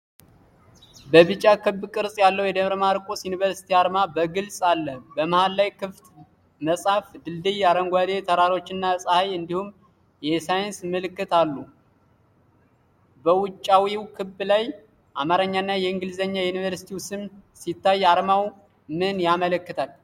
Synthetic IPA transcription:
bəβɨt͡ʃʼːakʰɨbːkʼɨɾsʼjalːəwjɛd̪əβɾmhaɾkʼosjunivəɾsi̥t̪ʰiaɾmabəɡɨlsʼalːəbəməhalːajkʰɨft̪ | məsʼhafd̪ɨld̪ɨjaɾəŋɡʷad̪e̞t̪ʰəɾaɾo̞t͡ʃːɪnːasʼhajɨnd̪ihum | jɛsajɪnsmɨlɨkːɨt̪alːu | bəwʊt͡ʃʼːawiwkʰɨbːlaj | ʔamaɾəɲːanːajɛɨŋɡɨlzəɲːajunivəɾsi̥t̪ʰiwsɨmsit̪ʰːajaɾmaw | mɨnjamələkːɨt̪ʰal

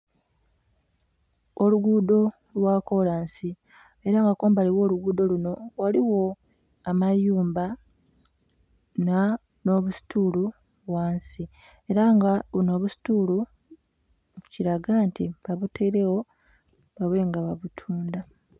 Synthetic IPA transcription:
oluɡudo̞ | lwako̞laːnsi | e̞ɾaŋɡakoːmbaliwo̞ːluɡuːd̪o̞luno̞waliwo̞ | amajuːmba | na | no̞βusi̥tʰuːlu | βwaːnsi | e̞ɾaŋɡaβuno̞ːβusi̥tuːlu | ciɾaɡantiβaβutʰeɾe̞wo̞ | βaβweːŋɡaβaβutʰuːnda

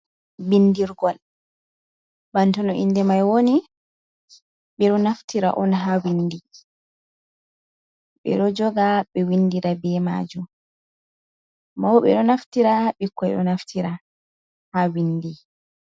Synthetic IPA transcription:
bindiɾɡɔl | bantɔnɔʔinːdɛmajwoni | ɓɛɗɔnaftiɾa̰ʔɔnɦawindi | ɓɛ̰ɗɔd͡ʒɔɡaɓɛwinːdiɾabɛma̰d͡ʒum | mawɓɛ̰ɗɔnaftiɾaɓikːɔjɗɔ̰naftʰiɾa | hawindi

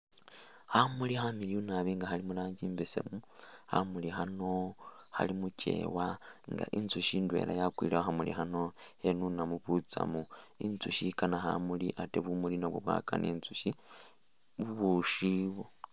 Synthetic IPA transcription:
hamuliɦamiliunaβiːŋɡaɦalimulaːɲɟiːmbesḛmuha̰mulixano̞ha̰limuce̞̰ːwaŋɡa̰ʔint͡suʃindwe̞̰lajakwḭːlewoxamulḭɦano̞henunamuβut͡sa̰muint͡suʃikanaɦa̰muliʔateβumulinoβwuβwa̰ːka̰nʔḛːnt͡suʃi | βuβuʃiβo

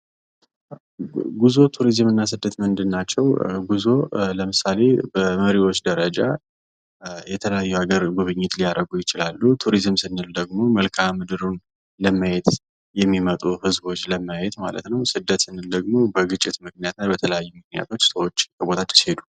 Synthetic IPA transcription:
ɡuzo̞t̪ʰuɾizɨmɨnːasɨd̪ːət̪mɨnd̪ɨnːat͡ʃːɛwɡuzo̞ləmɨsale̞bəməɾiwo̞t͡ʃːd̪əɾəd͡ʒa | jɛt̪ʰələjajːuaɡəɾɡuβɨɲːɪt̪lijaɾʔəɡujɪt͡ʃɪlalːut̪ʰuɾizɨmsɨnːɨld̪əɡmo̞məlkʰamːɨd̪ɨɾun | ləmajet̪ | jɛmːimət̪ʼuhɨzbo̞t͡ʃːləmajet̪ma̰lə̰t̪nəwsɨd̪ːət̪sɨnːɨld̪əɡmo̞bəɡɨt͡ʃʼːɪt̪mɨknijat̪nabət̪ʰələjajːumɨknija̰t̪ʰo̞t͡ʃːsəwot͡ʃːkʰəbo̞t̪ʰat͡ʃːshe̞d̪u̥

